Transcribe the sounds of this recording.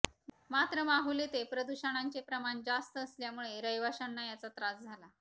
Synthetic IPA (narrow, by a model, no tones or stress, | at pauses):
mat̪ɾəmaɦulet̪epɾəd̪uɕəɽ̃aɲt͡sepɾəmaɳd͡zast̪əːsljamuɭeɾəjʋaɕənːajat͡sat̪ɾasd͡zʱala